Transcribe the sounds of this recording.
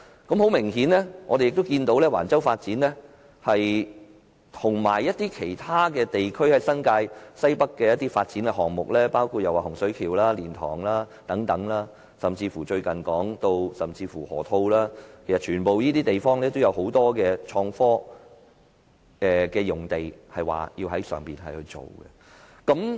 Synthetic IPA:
kɐ˨˥mho˨˥wmɪ˨˩ŋɦiː˨˥nlɛː˥ŋɔː˨˧t̪e˨jɪkt̪o˥wkiː˧nt̪o˨˥wlɛː˥wa̰ː˨˩nt͡sɐ˥wfaː˧t̚t͡siː˨˥nlɛː˥ | hɐ˨j | t̪ʰʊ˨˩ŋma̰ː˨˩jːɐ˥t̚t̪iː˥kʰe˨˩jt̪ʰaː˥kɛː˧t̪e˨jkʰɵ˥ɥhɐ˨jsɐ˥nkaː˧jsɐ˥jpɐ˥kːɛː˧jɐ˥t̪ːiː˥faː˧t̚t͡siː˨˥nkɛ˧ɦɔː˨˩ŋmʊ˨k̚lɛː˥paː˥wkʰu˧jɐ˨waː˨˩hʊ˨˩ŋsɵ˨˥ɥkʰiː˨˩wlaː˥liː˨˩nt̪ʰɔ̰ː˨˩ŋlaː˥t̪ɐ˨˥ŋt̪ɐ˨˥ŋlaː˥ | sɐ˨mt͡siː˧fuː˨˩t͡ʃɵ˧ɥkɐ˨˩nkɔː˨˥ŋt̪o˧wsɐ˨˩mt͡siː˧fuː˨˩hɔ̰ː˨˩t̪ʰo˧wlaː˥kʰe˨˩jsɐ˨t̚t͡ʃʰyː˨˩npo˨wjiː˥t̪iː˥t̪e˨jfɔː˥ŋlɛː˥t̪wjɐ˨˧who˨˥wt̪ɔː˥kɛː˧t͡ʃʰɔː˧ŋfɔː˥ | ɛː˨kɛː˧jʊ˨˩ŋt̪e˨jhɐ˨jwa̰ː˨˩jiː˧wɦɐ˨˥jsœ̰ː˨ŋpiː˨nhɐ˨jhɵ˧t͡so̰˨˩wɡɛ̰˧ | kɐ˨˥m

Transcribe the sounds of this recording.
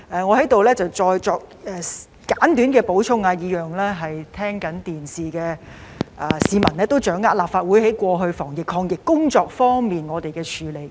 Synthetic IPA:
ʔɛː˨ŋɔ˨˧hɐ˨˥jt̪o˨wlɛː˥t͡sɐ˨wt͡sɔː˧jt͡sɔː˨˧k̚ɛ˨ | kaː˨˥nt̪yː˨˥nkɛː˧po˨˥wt͡sʰʊ˥ŋaː˧jiː˨˧jœː˨˩ŋlɛː˥ɦɐ˨jt̪ʰɛː˥ŋkɐ˨˥nt̪iː˨˩nsiː˨kɛː˧ʔa˨˩siː˨˧mɐ˨˩nɛː˥t̪o˥wt͡ʃœː˨˥ŋːaː˥laː˨p̚faː˧t̚wu˨˥jhe˨˥jkʷɔː˧ɦɵ˧ɥfɔː˨˩ŋjɪ˨kʰːɔː˧ŋjɪ˨kːʊ˥ŋt͡sɔː˨˧k̚fɔː˥ŋmiː˨nŋɔː˨˧t̪e˨jkɛː˧t͡ʃʰyː˨˧le˨˩j

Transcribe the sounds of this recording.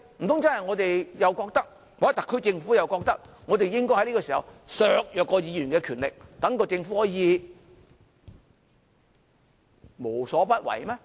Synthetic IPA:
m̩˨˩t̪ʰʊ˥ŋt͡sɐ˥nhɐ˨jŋɔː˨˧t̪e˨jjɐ˨wkɔː˧k̚t̪ɐ˥k̚ | waː˨˦˥t̪ɐ˨kʰːɵ˥t͡sɪ˧ŋfuː˨˥jɐ˨wkɔː˧k̚t̪ɐ˥k̚ | ŋɔː˨˧t̪e˨jɪ˥ŋkɔː˥hɐ˨˥jli˥kːɔː˧siː˨˩hɐ̰˨wsœː˨˧k̚jœː˨kːɔː˧jiː˨˧jy˨˩nkɛː˧kʰy˨˩nlɪ̰˨k̚t̪ɐ˨˥ŋkɔː˧t͡sɪ˧ŋfu˨˥hɔː˨˥jjiː˨˧ | mo˨˩wsɔː˨˥pɐ˥t̚wɐ̰˨˩jmɛː˥

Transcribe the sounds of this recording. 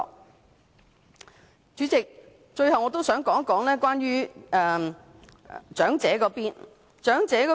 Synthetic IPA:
t͡ʃyː˨˥t͡sɪ˨k̚ | t͡ʃɵ˧ɥhɐ˨wŋɔː˨˧t̪o˥wsœː˨˥ŋkɔː˨˥ŋkɔː˨˥ŋlɛː˥kwaː˥nɥyː˥ɛː˧ | t͡ʃœː˨˥ŋt͡sɛː˨˥kɔː˨˧˥piː˥n | t͡ʃœː˨˥ŋt͡sɛː˨˥kɔː˧

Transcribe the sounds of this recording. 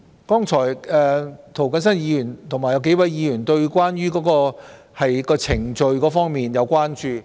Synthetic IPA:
kɔː˥ŋt͡ʃʰɔː˨˩jɛː˨t̪ʰo˨˩wkɐ˨˥nsɐ˥njiː˨˧jyː˨˩nt̪ʰʊ˨˩ŋmaː˨jɐ˨˧wke˨˥jwɐ˨˧˥jjiː˨˧jyː˨˩nt̪ɵ˧ɥkʷwaː˥nɥyː˥kɔː˨˥kɔː˧ | hɐ˨jkɔː˧t͡sʰɪ˨˩ŋt͡ʃɵ˧ɥkɔː˨˥fɔː˥ŋmiː˨njɐ˨˧wkʷaː˥nt͡ʃyː˨˧

